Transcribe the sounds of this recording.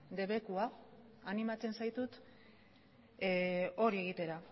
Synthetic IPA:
d̪e̞βe̞kua | animat͡se̞nsajt̪ut̪ | o̞ɾie̞ɣ̞it̪e̞ɾa

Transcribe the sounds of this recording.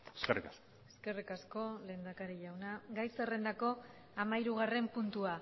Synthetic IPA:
eskerikasko | eske̞rikasko̞le̞ːnd̪akaɾiʎawnaɡajsere̞nd̪ako̞ | amaiɾuɣ̞are̞mpunt̪ua

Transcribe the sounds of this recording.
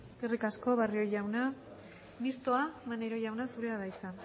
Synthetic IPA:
eske̞rikasko̞βario̞ʝawna | mist̪o̞amaneɾo̞ʝawnasuɾe̞aðajsan

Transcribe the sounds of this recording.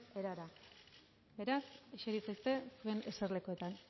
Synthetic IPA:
eɾaɾa | be̞ɾaseʃeɾit͡sajst̪e̞sue̞ne̞sarle̞koe̞t̪an

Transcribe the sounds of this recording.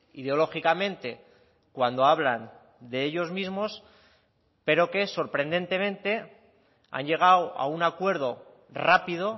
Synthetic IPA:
iðeo̞lo̞xikamẽ̞nt̪e̞ | kwand̪o̞aβlan | d̪e̞eʎo̞zmizmo̞s | pe̞ɾo̞ke̞so̞ɾpɾe̞nd̪e̞nt̪e̞mẽ̞nt̪e̞ | a̰ɲʝe̞ɣ̞awa̰unakwe̞ɾð̞o̞ | rapiðo̞

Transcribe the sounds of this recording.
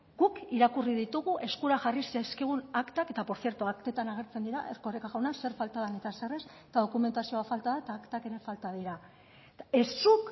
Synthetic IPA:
ɡ̥ukiɾakuriðit̪uɣuʔe̞skuɾaʝarisiaskiɣ̞unakt̪ake̞t̪apo̞ɾθje̞ɾt̪uakt̪e̞t̪anaɣ̞e̞ɾt͡send̪iɾa̰ʔerkorekaɣawnase̞ɾfalt̪aðanit̪aseres | t̪að̞o̞kume̞nt̪asio̞afalt̪aðaet̪aːkt̪ake̞ɾe̞falt̪aðiɾa | e̞sːuk

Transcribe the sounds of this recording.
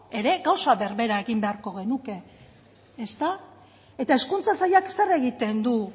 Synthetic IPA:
e̞ɾe̞ɣawsaβe̞ɾβe̞ɾae̞ɣimbe̞aɾko̞ɣ̞e̞nuke̞ː | st̪a | et̪ae̞skunt͡sasajaksere̞ɣit̪e̞nd̪u

